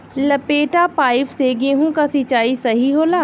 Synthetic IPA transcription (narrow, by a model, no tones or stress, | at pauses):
lɐpeːʈapaːɪfseɡeɦũkasit͡ʃaːisɐɦiɦoːlaː